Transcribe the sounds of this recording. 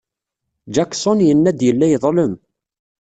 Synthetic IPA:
d͡ʒæksonjənːæd̪jəlːæjðˤləm

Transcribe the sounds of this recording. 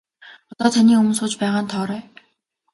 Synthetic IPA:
ɔt̪ɔːt̪ʰaniːɵm̆nsʊːt͡ɕpæːʁaːnt̪ʰɔːɾœː

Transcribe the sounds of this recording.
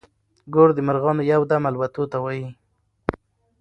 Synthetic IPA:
ɡoɽd̪əmaɾɣɑnojawd̪amalwat̪ot̪awɑji

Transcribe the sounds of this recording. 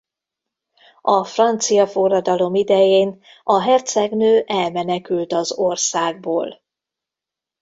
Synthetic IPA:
ɒfrɒnt̪sijɒforːɒd̪ɒlo̞mid̪ɛjeːn | ɒɦɛrt̪sɛɡnøːʔɛlmɛnɛkylt̪ɒzo̞rsaːɡ̚boːl

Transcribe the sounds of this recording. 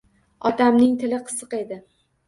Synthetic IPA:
ɒt̪ʰamnɪŋt̪ʰɪlɪqʰɨ̥sɨqe̞d̪ɪ

